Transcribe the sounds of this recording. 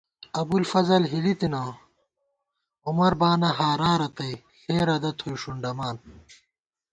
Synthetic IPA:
ɐbulfɐzɐlɦilit̪ina | umɐɾbaːnɐɦaːɾaːɾɐt̪ɐj | xeːɾɐd̪ɐt̪ʰujʂuɳɖɐmaːn

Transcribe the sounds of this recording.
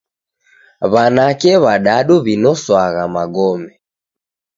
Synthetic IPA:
βanakɛβaɗaɗuβinɔswaɣamaɡɔmɛ

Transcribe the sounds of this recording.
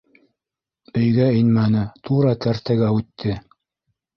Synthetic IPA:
ɵ̆jɡæɘnmænɘt̪ʰuɾɑk̪æɾt̪æɡæʉt̪ʰːɘ

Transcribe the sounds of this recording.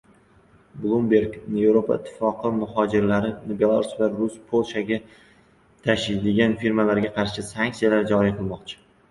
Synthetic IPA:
blˠumbe̞ɾknevɾopʰa̰ɪt̪ʰːɪ̥fɒqʰɨmʊhɒd͡ʒɪɾlaɾɪnbe̞lˠaɾusvaɾʊspʰolˠʃaɡʲa | t̪ʰaʃɪjd̪eɡʲanfiɾmalaɾɡʲaqʰɑɾʃɪsaŋkʲsijalaɾd͡ʒɒɾijqʰɨlˠmɒqt͡ʃʰɪ̥

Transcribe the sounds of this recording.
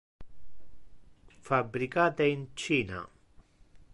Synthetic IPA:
fabɾikaːt̪eint͡ʃiːna̰

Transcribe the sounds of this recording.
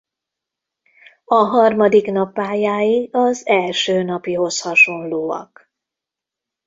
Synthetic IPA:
ɒɦɒrmɒd̪iknɒpːaːjaːjiɒzɛlʃøːnɒpiɦo̞shɒʃo̞nloːɒ̰k

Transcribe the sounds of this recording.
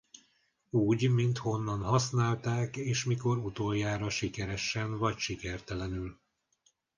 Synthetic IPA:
uːɟmint̪ho̞nːɒnhɒsnaːlt̪aːkeːʃmiko̞ɾut̪oːjaːɾɒʃikɛɾɛʃːɛnvɒcʃikɛrt̪ɛlɛnyl

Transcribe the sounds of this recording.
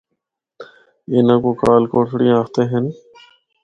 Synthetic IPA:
eːnãːkoːkaːlkoːʈʰɽij̃aːkt̪eːɦən

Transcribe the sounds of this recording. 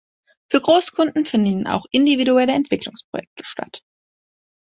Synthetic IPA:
fyːɐɡʁoːskʰʊndn̩fɪndnn̩a̰ʊxʔɪndividuɛləɛntv̥ɪklʊŋspʁ̥o̰jɛk̚tʰə̥ʃta̰t

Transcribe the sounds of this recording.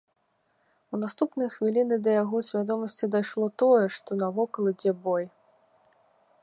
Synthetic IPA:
wn̪ast̪upnɨjɐxvʲilʲinɨd̪ɐjaɣɔsʲvʲad̪ɔmɐsʲt͡sʲid̪ajʂlˠɔt̪ɔjɛʂt̪ɔnɐvɔkɐlˠɨd͡zʲɛbɔj

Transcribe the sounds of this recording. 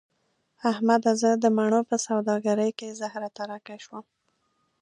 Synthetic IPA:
ahmad̪azəd̪əmaɳ̃opəsawd̪ɑɡaɾəjkezahɾat̪aɾakaʃwəm

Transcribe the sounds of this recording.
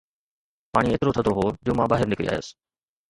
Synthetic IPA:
paːɽ̃iet̪ɾot̪ʰəd̪oɦoːd͡ʑoːmãːɓaːɦɪɾnɪkɾḭa̰ːjə̰s

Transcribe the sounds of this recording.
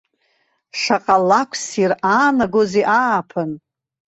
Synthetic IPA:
ʂaqʼalːakʷʰsiraːnaɡoziʔaːpʰɨn

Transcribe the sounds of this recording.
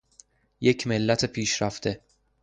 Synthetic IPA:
jecʰme̞lːæt̪ʰepʰiːʃɾæft̪ʰe̞

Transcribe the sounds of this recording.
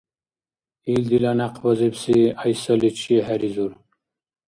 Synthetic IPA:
ild̪ilanaqʰbazibsiɑjsalit͡ʃʰiɦæɾizuɾ

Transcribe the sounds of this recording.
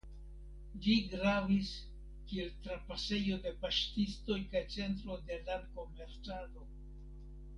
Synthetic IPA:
liɡɾavis | kie̞ltɾapase̞jo̞de̞paʃtisto̞jkajt͡se̞nt̬ɾo̞de̞lanko̞me̞ɾt͡salo̞

